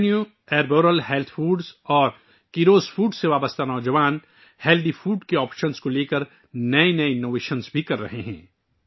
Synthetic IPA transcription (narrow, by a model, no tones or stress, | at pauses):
nju | ɛːɾboːɾəlɦeːlt̪ʰfuːɖzɔːɾ | kiɾoːzfuːɖseʋaːbəst̪anɔːd͡ʒɐʋaːn | heːld̪ifuːɖkeɔːpʃənskoleːkəɾ | nɐenɐeɪnːoːʋeːʃənzbʱikɐɾːɐ̰ɦeɦɛ̰̃ː